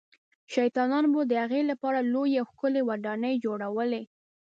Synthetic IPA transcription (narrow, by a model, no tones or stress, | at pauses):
ʃajt̪ɑnɑnbod̪əhaɣelapɑɾalojawxkʊlewaɖɑnəjd͡ʒoɽawəle